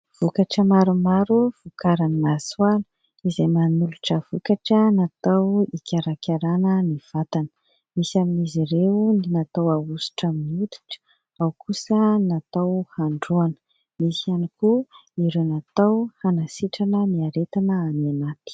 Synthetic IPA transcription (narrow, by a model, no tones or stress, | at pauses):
v̥ukaʈ͡ʂəmaɾumaɾuv̥ukaɾannaswalə | izajmanuluʈ͡ʂəv̥ukaʈ͡ʂənat̪awikʲaɾakʰʲaɾanəniv̥at̪anə̥ | misaminiziɾeninat̪awausu̥ʈ͡ʂaminiut̪u̥ʈ͡ʂə̥ | awkʰusənat̪awhaɳɖ͡ʐuanə̥ | misianikuiɾenat̪awhanasiʈ͡ʂanəniaɾet̪anəamanat̪i̥